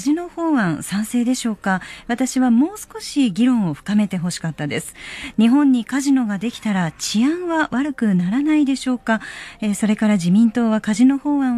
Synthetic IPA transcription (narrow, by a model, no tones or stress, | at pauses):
ʑino̞ho̞ːβãɰ̃sãɰ̃se̞ːd̪e̞ɕo̞ːkaβat̪aɕiβamo̞ːsɨ̥ko̞ɕiɡʲiɾõ̞ɰ̃o̞ɸɯ̥kame̞t̪e̞ɦo̞ɕi̥kat̪ːad̪e̞sɨ̥ɲ̟iɦõ̞ɲ̟ːikaʑino̞ɡad̪e̞kʲi̥t̪aɾat͡ɕiãɰ̃βaβaɾɯ̟kɯ̟naɾanaid̪e̞ɕo̞ːkaeso̞ɾe̞kaɾaʑimʲĩnt̪o̞ːβakaʑino̞ho̞ːβã